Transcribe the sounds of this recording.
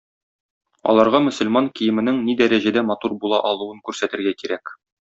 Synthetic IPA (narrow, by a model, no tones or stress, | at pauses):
ɒ̰lˠɑɾʁɑmɵ̆sɵ̆lmɑŋkijɘ̆mɘ̆nɘŋnid̪æɾæʑæd̪æmɒt̪uɾbulˠɑʔɒlˠuwɤŋkʉɾsæt̪ɘ̆ɾɡækiɾæk